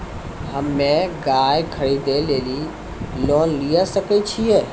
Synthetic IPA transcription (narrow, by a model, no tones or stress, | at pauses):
ɦəmːẽɡaːjkʰɐɽid̪eleːli | loːnliasəket͡ʃʰiɛː